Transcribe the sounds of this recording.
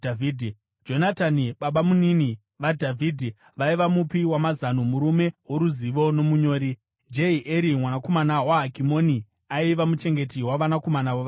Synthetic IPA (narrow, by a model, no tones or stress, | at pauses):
avidʱi | d͡ʒo̞nataniɓaɓamunini | ʋadʱavʱiːdʱi | ʋaiʋamupiwamazanomuɾume̞woɾuziʋo̞no̞muɲo̞ːɾi | d͡ʒeiʔeɾimwanako̞manawaɦakimo̞ni | aiʋamut͡ʃe̞ŋɡe̞tiwaʋanako̞manawoʋ